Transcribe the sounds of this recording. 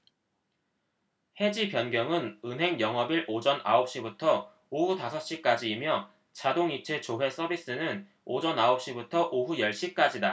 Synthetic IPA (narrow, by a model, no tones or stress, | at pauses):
he̞d͡ʑipjʌnɡjʌŋɯnɯnɦe̞ŋjʌŋɦʌbiɾod͡ʑʌnʔaʌp̚ɕ͈ibutʰʌ | oɦutasʰʌp̚ɕ͈ik͈ad͡ʑiːmjʌ | t͡ɕadoŋit͡ɕʰe̞t͡ɕoɦe̞s͈ʌbis͈ɯnɯn | od͡ʑʌnaop̚ɕ͈ibutʰʌʔoɦujʌɭɕ͈ik͈ad͡ʑida